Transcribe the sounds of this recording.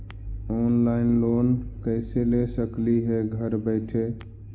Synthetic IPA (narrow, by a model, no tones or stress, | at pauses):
ɔnlaɪnlonkəɪselesəkliɦeɡʱəɾbəɪt̪ʰe